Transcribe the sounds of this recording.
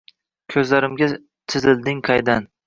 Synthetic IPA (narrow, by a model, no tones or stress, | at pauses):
kʲʰɵzlaɾɪmɡʲa | t̪ʰɪzɪld̪ɪŋqʰɑjd̪an